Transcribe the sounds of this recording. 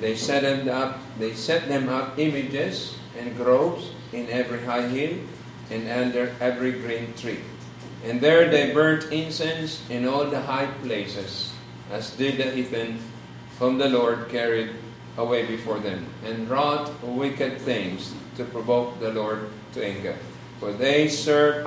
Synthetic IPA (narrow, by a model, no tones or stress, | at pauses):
d̪ejsɛt̪mdʌp̚ | d̪ejsɛt̪̚d̪ɛ̃mʌpɪ̃mɪd͡ʒɛs | ɛ̃nɡɹoʊps | ɪ̃nɛvɹiɦajɦil | ʔɛ̃nʌ̃nd̪ɛɹɛvɹiɡɹĩnt̪ɹi | ʔɛ̃nd̪ɛɹd̪ejbɜ̃˞nt̪ɪ̃nsɛ̃nsɪ̃nɔlˠd̪əɦajpleɪsɛs | ʔasd̪ɪd̪̚ɨhitɛ̃n | fɹɔ̃md̪əlɔɹd̪̚kʰɛɹɪd̪̚ | ʔəwejbɪfɔɹðɛ̃mɛ̃nɹɔt̪wɪkɛd̪̚θɪ̃ŋst̪upɹɔvok̚d̪ɐlɔɹd̪̚ | t̪ʰʊʔɪ̃ŋɡə̰ | fɔɹðejsɜ˞v